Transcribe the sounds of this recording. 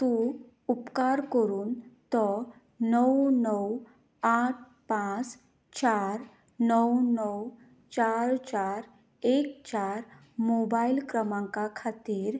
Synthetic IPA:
t̪ũ | upkaɾkəɾuːnt̪ɔ | nəwnəw | aʈ̚ʰ | pãt͡s | t͡ɕaɾ | nəwnəw | t͡ɕaɾt͡ɕaɾ | ek̚t͡ɕaɾ | mobailkɾəmãŋkakʰat̪iːɾ

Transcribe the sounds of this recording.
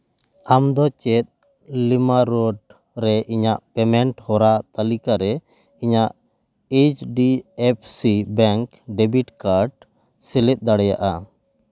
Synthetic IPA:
amd̪ɔt͡ʃɛt̪̚ | limaɾɔɖ | ɾɛʔiɲaʔpɛmɛɳʈhɔɾat̪alikaɾɛ | iɲaʔ | et͡ʃɖiepʰsibɛŋk | ɖɛbiʈkaɾɖ | sɛlɛt̪̚ˀd̪aɽɛjaʔa

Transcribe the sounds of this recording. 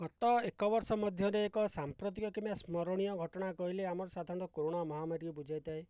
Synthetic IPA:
ɡɔt̪ɔekɔbɔɾsɔmɔd̪ʱjɔɾeːkɔsampɾot̪̬ikɔkimasmɔɾɔɽ̃ijɔɡʱɔʈɔɽ̃akɔɦileamɔɾɔsad̪ʱaɾɔ̃ñt̪ɔkoɾoɽ̃amɔɦamaɾiibud͡ʒʱajt̪ae

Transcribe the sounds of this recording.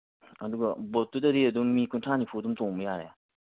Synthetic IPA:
ɐd̪uɡɐbɔt̪ːudɐɾiəd̪uŋmikuntʰanipʰud̪umt̪oŋbəjaɾɛa

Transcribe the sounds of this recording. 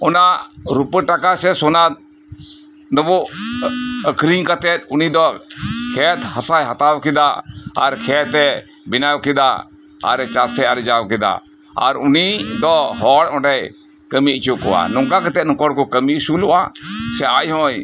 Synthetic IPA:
ɔnaʔɾupəʈakasɛsɔna | nəbɔʔ | əkɾiŋkat̪ɛt̪̚unid̪ɔkʰɛt̪hasajɦat̪awkɛd̪aaɾkʰɛt̪ɛ | binawkɛd̪a | a̰ɾt͡ʃasɛaɾd͡ʒawkɛd̪a̰ | a̰ɾunid̪ɔɦɔɽɔ̃ɖɛj | kəmit͡ʃukɔwa̰nɔŋkakat̪ɛt̪̚nɔkɔɽkɔkəmisulɔwasɛʔajhɔ̃j

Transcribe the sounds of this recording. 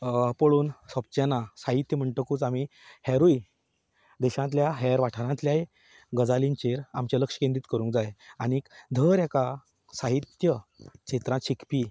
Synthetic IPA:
pəɭuːnsəp̚t͡ɕanasaɦit̪ːjəm̤əɳʈəkuːt͡samihɛɾui | d̪ɛɕãnt̪̬ljaɦɛɾʋaʈʰəɾãnt̪ljae | ɡəd͡zalint͡ɕeɾamt͡ɕaləkʂə̥kẽnd̪iːt̪kəɾũŋkd͡zajañikd̪ʱəɾɛka | saɦit̪jəɕet̪ɾãɕikʰpiː

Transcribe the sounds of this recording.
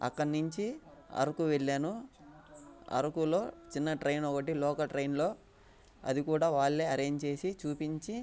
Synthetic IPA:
ɐ̰kːɐɽnuɲt͡ʃiɐ̰ɾukuʋeɭːaːnu | ɐ̰ɾukulo̞ːt͡ʃinːɐʈɾɐjnɔkɐʈ̬ilɔːkɐʈɾɐjnlo̞ː | ɐ̰d̪ikuːɽaːʋaːɭːeːɐɾe̞ːɲd͡ʒt͡ʃe̞ːsit͡ʃuːpiɲt͡ʃi

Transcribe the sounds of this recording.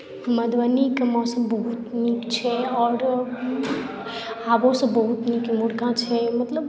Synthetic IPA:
məd̪ʋanikəmãsə̃bəɦut̪nikt͡ʃʰɛɔːɾ | abosə̃bəɦut̪nikmuɽkãt͡ʃʰɛmət̪ləb

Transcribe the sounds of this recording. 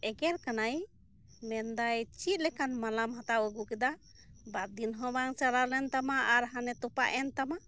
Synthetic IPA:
ɛɡɛɾkanaj | mɛnd̪ajt͡ʃit̪̚ˀlɛkanmalamɦat̪awəɡukɛd̪a | baɾ̚d̪inɦɔ̃baŋt͡ʃalaɾlɛnt̪amaʔaɾɦanɛt̪ɔpa̰ʔɛnt̪amaʔ

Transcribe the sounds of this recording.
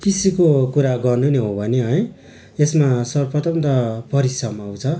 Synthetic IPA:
kisikokuɾaɡʌrnuneɦobʱʌneɦʌj̃ | esmasʌrpʰʌt̪ʌmt̪ʌpʌɾisʌmaw̃t͡sʰʌ

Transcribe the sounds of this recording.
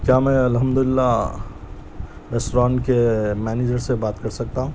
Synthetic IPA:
kjamɛ̃ɐlɦəmd̪ulɪlːa | ɾesʈɾankemɛned͡ʒəɾsebaːt̪kəɾsək̚t̪aɦũ

